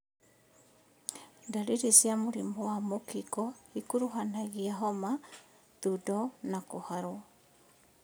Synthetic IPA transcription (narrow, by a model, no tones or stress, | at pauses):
ndaɾiɾisjamoɾimbɔwamokikɔhikuɾuɦanaɣiaɦɔma | tudɔnakohaɾo